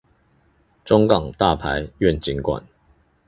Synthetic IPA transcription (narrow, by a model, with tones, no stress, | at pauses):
ʈ͡ʂʊ˥˦ŋkɑ˨˩ŋt̪a˥˨pʰa˨˦ɪɥɛ˥˨nt͡ɕi˨˦ŋkwa̰˨˩n